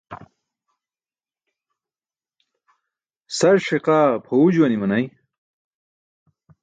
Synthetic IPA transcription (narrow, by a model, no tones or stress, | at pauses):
sɐɾʂeqaːpʰoud͡ʑuwɐnimɐnɐj